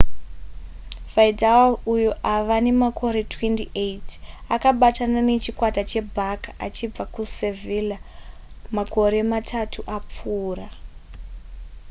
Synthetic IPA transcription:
vajdalujuʔaʋane̞makʰo̞ɾe̞tʰwentiʔejt | akaɓatanane̞t͡ʃikwatat͡ʃe̞bʱakaʔat͡ʃib͡vakusevila | mako̞ɾe̞matʰatʰuʔap͡fuːra

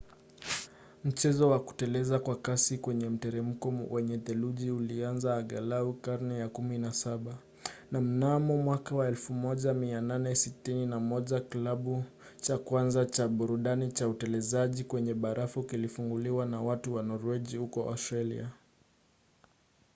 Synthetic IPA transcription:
m̩t͡ʃɛzɔwaku̥tɛlɛzakwakasikwɛɲɛm̩tɛɾɛm̩kɔwɛɲɛðɛluʄiulianzaːɠalaukaɾnɛjakuminasaɓa | nam̩namɔmwakawaɛlfumɔʄamiananɛsitininamɔʄaklaɓu | t͡ʃakwanzat͡ʃaɓuɾuɗanit͡ʃautɛlɛzaʄikwɛɲɛɓaɾʔafukilifuŋɡuliwanawatuwanɔɾvɛʄihukɔʔa̰stɾalḭa

